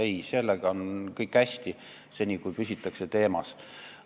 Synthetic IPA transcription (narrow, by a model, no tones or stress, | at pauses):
ejse̞lːeɡ̥ɑonkɤjkːhæsʲt̪i | se̞nʲikujpysʲit̪ːˑɑkse̞t̪e̞ːmɑs